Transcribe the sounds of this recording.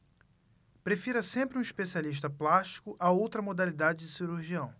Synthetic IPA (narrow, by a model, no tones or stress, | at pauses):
pɾefiɾɐsẽmpɾɪũiʃpesialiʃ̬t̪ɐplaʃt͡ʃi̥kʊʔaowt̪ɾɐmod̪alid̪ad͡ʒɪd͡ʒɪsiɾuɾʒiɐ̃w̃